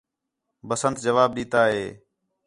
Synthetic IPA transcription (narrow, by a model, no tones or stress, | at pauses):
bəsənt̪̚d͡ʒəʋaːb̚ɗiːt̪aːɦeː